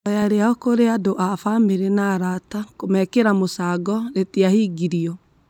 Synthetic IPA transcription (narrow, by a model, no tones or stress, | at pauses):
ɔjaɾeaɔkoɾeadoʔafameɾenaɾatakomɛkeɾamosaːɡɔɾetiahiːɡiɾiɔ